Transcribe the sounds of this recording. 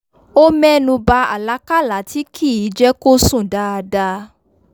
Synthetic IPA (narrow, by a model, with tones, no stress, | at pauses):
o˦mɛ̃˦nũ˧ba˧a˨la˨˦ka˦˨la˨˦ti˨˦kʰi˦˨i˨˦d͡ʒɛ˦ko˦sũ˦˨da˧da˧